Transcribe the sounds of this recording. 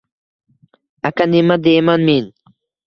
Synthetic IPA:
akanimad̪emanmin

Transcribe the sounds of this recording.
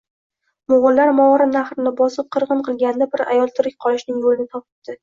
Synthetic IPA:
mʊʁʊlːaɾmɒɒɾɪmnaχɾɪnɪbɒsɪp̚qʰɨɾʁɨnqʰɨlˠɡʲand̪abɪɾa̰jɒlˠt̪ʰʊɾɪk̚ʲqʰɒlˠɪʃnɪŋbolɪnɪt̪ʰɒp̚ɪp̚d̪̥ɪ

